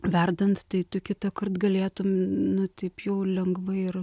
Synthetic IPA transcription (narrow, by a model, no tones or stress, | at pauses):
ʋʲɛrd̪ɐnt̪t̪ɐɪt̪ʊkʲɪt̪ɐkɐrt̪ɡɐlʲeːt̪ʊmnʊt̪ʲɐɪpjɛʊlʲɛŋɡʋɐɪr